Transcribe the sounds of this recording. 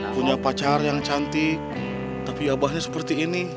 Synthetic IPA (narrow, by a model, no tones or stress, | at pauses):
puɲapat͡ʃarjaŋt͡ʃant̪ik̚ | t̪apiabaɦɲasə̥pərt̪iːni